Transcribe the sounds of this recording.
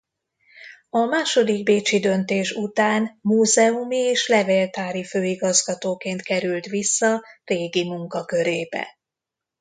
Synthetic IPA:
ɒmaːʃo̞d̪iɡ̚beːt͡ʃid̪ø̞nt̪eːʃut̪aːnmuːzɛumieːʃlɛveːlt̪aːɾiføːiɡɒzɡɒt̪oːkeːnt̪kɛɾylt̪ʋisːɒreːɡimuŋkɒkø̞ɾeːbɛ̰

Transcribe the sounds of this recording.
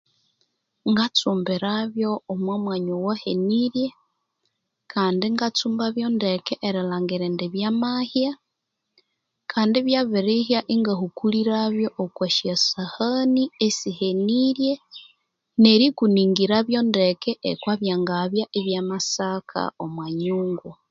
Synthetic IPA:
ŋɡat͡suːmbeɾaβjo̞ːmwamwaɲowaheniɾje̞ | kʰaːndiŋɡat͡suːmbaβjo̞ndekeʔːɾilaːŋɡiɾendeβjamahja | kʰaːndeβjaβiɾihijaʔiŋɡahukuliɾaβjo̞ʔːkwaʃasahaniesiheniɾje | neɾikuniːŋɡiɾaβjo̞ndekeʔekwaβjaːŋɡaβjaʔeβjamasakʰa̰omwaːɲuːŋɡu

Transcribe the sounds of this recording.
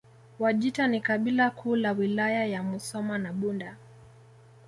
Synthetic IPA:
waʄitanikaɓilakʰuːlawilajajamusɔmanaɓunda

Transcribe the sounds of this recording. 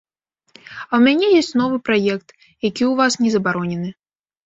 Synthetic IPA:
ɐwmʲanʲɛjɔsʲt͡sʲnɔvɨpɾajɛk̚t̪ | jakʲiuvasnʲɛzɐbaɾɔnʲɛnɨ

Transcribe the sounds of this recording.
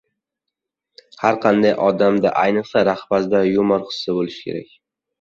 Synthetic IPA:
haɾqʰɑnd̪ajʔɒd̪amd̪aʔajnɨqsaɾaχbazd̪ajomɒɾqʰɨ̥sːabolɪʃkʲʰe̞ɾa̰kʲ

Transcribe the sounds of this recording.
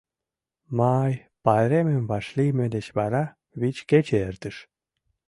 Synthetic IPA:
mɑj | pɑeɾemembɑʃlimed̪et͡ɕβɑɾɑ | βit͡ɕket͡ɕeert̪əʃ

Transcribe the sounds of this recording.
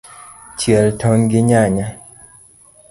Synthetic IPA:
t͡ʃjɛltʰɔnɡɪɲaɲa

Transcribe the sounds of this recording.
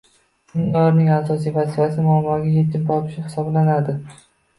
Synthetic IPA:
nɪŋɒɾnɪŋasɒsijvazifasɪmʊamːɒɡʲajet̪ʰɪmt̪ʰɒpʰɪ̥ʃɪhɪ̥sɒblanad̪ɪ

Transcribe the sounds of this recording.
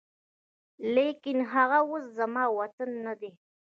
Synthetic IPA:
lekɪnɦaɣawoszamɑːwat̪anːad̪e

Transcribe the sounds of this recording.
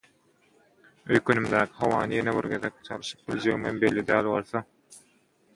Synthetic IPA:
øjkʰønymd̪æːkʰi̥ɦɑwɑ̰ːnɨjenebiɾɡeðek̚t͡ʃʰɑlˠɯʃɯ̥q̚b̥ilʲd͡ʒeɣimembelːid̪æːlβolˠθɑ

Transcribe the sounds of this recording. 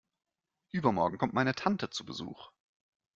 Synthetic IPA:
ʔyːbɐmɔɐɡŋ̩kʰɔmt̚maɪnətʰantət͡subəzṵːχ

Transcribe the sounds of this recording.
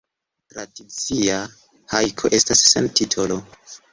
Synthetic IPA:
tɾadit͡sia | hajkʰo̞ʔe̞stasːe̞̰ntitʰo̞lo

